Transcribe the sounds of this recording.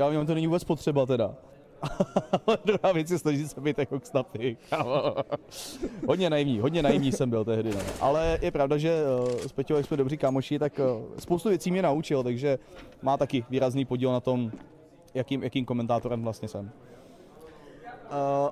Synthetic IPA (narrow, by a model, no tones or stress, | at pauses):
jaːmɲɛmt̪onɛɲɪvuːbɛt͡spot̪r̝̥ɛbat̪ɛda | alɛdɾuɦaːvjɛt͡sjɛsnaʒisɛbɛjt̪jakokst̪ap̪ɪkaːma | ɦodɲɛnajivɲiːɦo̞dɲɛnajivɲiːsɛmbɪlt̪ɛɦdɪnɛ̰ʔa̰lɛjɛpɾavdaʒɛspɛcojaksmɛdobrikaːmoʃɪt̪akspowst̪uvjɛt͡siːmɲɛnaut͡ʃɪlt̪aɡʒɛmaːt̪akɪviːɾazniːpoɟiːlnat̪o̞m | jakiːmjakiːmko̞mɛnt̪aːt̪oɾɛmvlast̪ɲɛsɛm